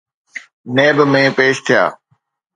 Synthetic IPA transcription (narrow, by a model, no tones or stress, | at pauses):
neːbmẽːpeːʃt̪ʰɪija̰ː